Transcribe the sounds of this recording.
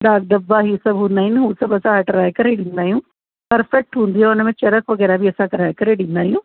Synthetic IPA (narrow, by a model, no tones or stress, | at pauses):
ɖaːk̚d̪ɐbːaɦisɐbɦũːnd̪aːɦinɦũsɐbɐsãʈɐɾaːkɐɾeɗɪ̃nd̪aːɦijũː | pɐɾfɛk̚ʈɦũːnd̪iaʊnəmẽt͡ʃɐɾəkʋɐɣɛːɾabʱiɐsãkɐɾaːekɐɾeɗɪ̃nd̪aːɦijũː